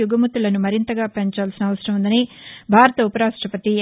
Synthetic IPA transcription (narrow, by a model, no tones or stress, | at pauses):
juɡɐmut̪ːulɐnumɐɾint̪ɐɡaːpeɲt͡ʃaːlsinɐʋɐsɐɾɐmund̪ɐnibʱaːɾɐt̪ɐupɐɾaːʂʈɾɐpɐt̪i